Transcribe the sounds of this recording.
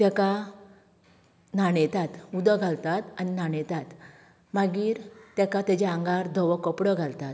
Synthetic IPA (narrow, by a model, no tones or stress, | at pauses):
t̪ɛka | naɳɛt̪at̪ud̪əɡʱalt̪at̪aninaɳɛt̪at̪ | maɡiːɾt̪jɛkat̪jad͡ʑeaŋɡaɾd̪ʱəʋəkəpɽəɡʱalt̪at̪